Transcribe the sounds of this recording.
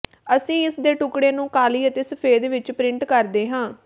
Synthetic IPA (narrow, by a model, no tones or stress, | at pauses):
əsĩːɪsd̪eːʈʊkɽeːnũːkaːliːət̪eːsəpʰeːd̪ʋɪt͡ʃpɾɪ̃ɳʈkəɾd̪eːɦãː